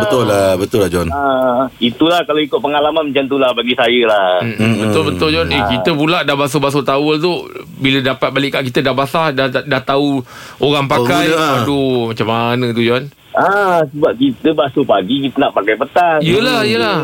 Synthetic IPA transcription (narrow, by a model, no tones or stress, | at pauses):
bət̪ʊlabət̪ʊlahd͡ʒɔnait̪ulahkaloikʊt̪̚pəŋalamanmət͡ʃant̪̬ulahbaɡisajəlahm̩bət̪ʊlbət̪ʊld͡ʒɔnekit̪əpulaʔdahbas̬obas̬ot̪awəlt̪ubilədapat̪̚balɪʔkːaʔkit̪ədahbaslahdadaht̪auoɾaŋpakajadumat͡ʃamːanət̪̬ud͡ʒɔn | asəbap̚kit̪əbasupaɡikit̪ənaʔpakajpət̪aŋijəlahijəlah